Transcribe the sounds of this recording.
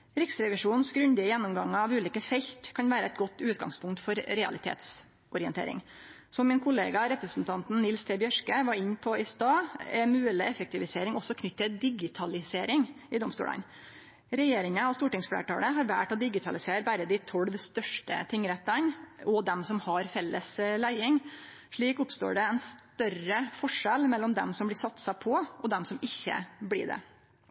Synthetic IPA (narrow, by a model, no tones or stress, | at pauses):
ɾɪksɾɛʋɪʂuːnsɡɾʉnd̪ɪəjɛnːɔmɡɑŋːəɾɑʋʉːliːkəfɛçt̪kʰɑnʋæːɾəæɪt̪̚ɡɔt̪ːʉːt̪ɡɑ̰ŋspʰʊŋkt̪fɔɾɾɛɑ̰lɪt̪ʰḛːt̪s | ʔɔɾɪənt̪ʰḛːɾɪ̰ŋ | sɔmmɪnkʰʊlḛːɡɑɾɛpɾəsn̩t̪ʰɑnt̪nnɪlst̪ʰeːbjœʂkəʋɑɾɪɲːpʰɔɪst̪ɑːɛmʉːəlɪɛfɛk̚t̪ɪʋɪseːɾɪŋɔsɔkʰnʏt̪ːəd̪ɪɡɪt̪ʰɑlɪseːɾɪŋ | ɪd̪ɔmst̪ṵːlɑ̰n | ɾɛjeːɾɪŋəɑst̪uːʈɪŋsflḛːʈɑ̰ːləɦɑɾʋæ̰ʈɔd̪ɪɡɪt̪ʰɑlɪseːɾbæɾəd̪ɪt̪ʰɔlʋst̪œʂʈə̰t̪ʰɪŋːɾɛt̪ːənɔd̪ɛmsɔmhɑɾfɛlːəslæɪɪŋ | ʂɭiːkʊpst̪o̰ːɖɛɛnst̪œrəfɔʂɛlmɛlːɔmd̪ɛ̰msɔmblɪsɑt̪sɑpʰɔʔɔd̪ɛmsɔmɪçːə̰blɪ̰ɖɛ̰